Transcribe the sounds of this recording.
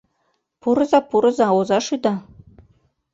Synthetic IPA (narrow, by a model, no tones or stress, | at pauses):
puɾɤ̆zɑpuɾɤ̆zɑozɑʃyd̪ɑ